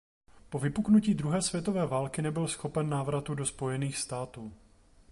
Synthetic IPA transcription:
po̞vɪpuknuciːd̪ɾuɦɛːsvjɛt̪o̞vɛːvaːlkɪnɛbɪlsxo̞pɛnːaːvɾat̪udo̞spo̞jɛniːxst̪aːt̪uː

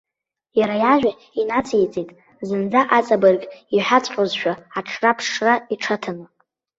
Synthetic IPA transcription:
jaɾajaʒᶣa | inat͡sʰʼejt͡sʼitʼ | zɨnd͡zaʔat͡sʼabɨrkʼiħʷat͡sʼqʲʼozʃᶣaaʈ͡ʂʰrapʰʂraiʈ͡ʂʰatʰanɨ

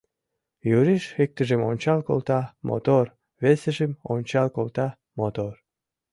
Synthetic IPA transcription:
juɾiʃek̚t̪əʒemonʲt͡ɕɑlko̰lt̪ɑmo̰t̪or | βeseʒemo̰nʲt͡ɕɑlkolt̪ɑ | mot̪or

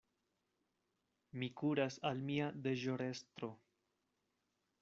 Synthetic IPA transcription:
mikuɾasalmiad̪e̞ʒo̞ɾe̞stɾo̞

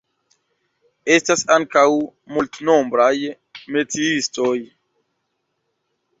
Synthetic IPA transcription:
e̞stasaŋkawmultnombɾaj | me̞t͡siisto̞j

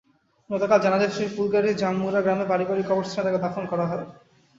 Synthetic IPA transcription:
nɔt̪akald͡ʑanad͡ʑaʃɾipulɡaɾʱid͡ʑamːuɾaɡɾamebaɾibaɾikɔboɾst̪ʰanaɾaked̪afʰonkɔɾaɦɔe

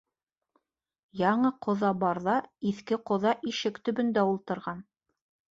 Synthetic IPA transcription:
jɑɴɤqʰŏðɑbɑɾðɑiθkɘqŏðɑʔiʃɘkt̪ɵ̆bɵ̆nd̪æulˠt̪ɤ̆ɾʁɑn

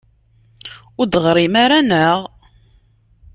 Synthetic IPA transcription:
ʊɾd̪ʁɾˤimaɾanəʁ

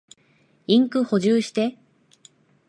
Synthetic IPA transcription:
ĩŋkɯ̟ho̞ʑɨːɕi̥t̪e̞

